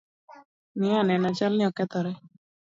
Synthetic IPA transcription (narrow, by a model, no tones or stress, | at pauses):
nianɛnat͡ʃalnĩɔkɛt̪ɔɾɛ